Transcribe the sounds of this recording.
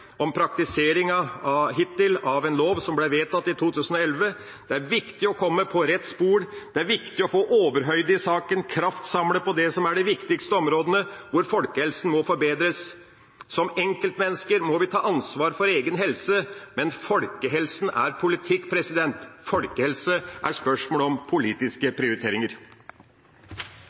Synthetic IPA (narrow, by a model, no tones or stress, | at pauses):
ɔmpʰɾɑk̚t̪ɪseːɾɪŋɑɑɦɪt̪ɪlɑʋɛnloːʋsɔmblɛʋeːt̪ɑt̪ːɪt̪ʰuːt̪ʰʉːsən̩ɔɛlʋə | d̪̥ɛæɾʋɪkt̪ɪɔkʰɔmːəpʰɔɾɛt̪ːspuːɾd̪̥ɛæɾʋɪkt̪ɪɔfoːʔoːʋəɾɦœʏd̪əɪsɑːkənkʰɾɑft̪sɑmləpɔd̪ɛsɔmæɖɛʋɪkt̪ɪkst̪əɔmɾoːd̪ənəʋʊɾfɔlkəhɛlsn̩mɔfɔɾbeːd̪ɾəsː | ɔmɛŋkəlt̪mɛnːəskəɾmɔʋɪt̪ʰɑːʔɑnsʋɑːɾfɔɾeːɡənɦɛlsəmɛnfɔlkəɦɛlsn̩æ̰ɾpʰʊlɪt̪ʰɪkːpʰɾɛsɪd̪ɛnt̪fɔlkəhɛlsəʔæʂpœʂmoːləɔmpʰʊliːt̪ɪskəpʰɾɪʊɾɪt̪ʰeːɾɪŋəɾ